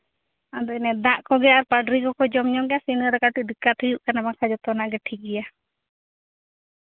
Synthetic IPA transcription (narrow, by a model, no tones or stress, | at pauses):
ad̪ɔnɛd̪ãʔkɔɡɛaɾpaɖɾikɔkɔd͡ʒɔmɲɔɡɛjasinəɾɛkaʈuʔd̪ikːat̪ʰujuʔkanamakʰad͡ʒɔt̪ɔnaʔɡɛʈʰikɛja